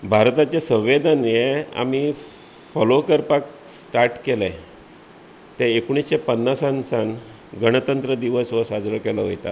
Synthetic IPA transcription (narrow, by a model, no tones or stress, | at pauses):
bʱaɾt̪at͡ɕesə̃w̃ʋed̪anjea̰mi | fɔlokəɾpaksʈaɾʈkelɛ̃ | t̪ɛekoɳ̃isɕepənːasansãn | ɡəɽ̃ət̪ənt̪ɾəd̪iʋəsʋəsad͡zɭəkelɔɦo̰jt̪a̰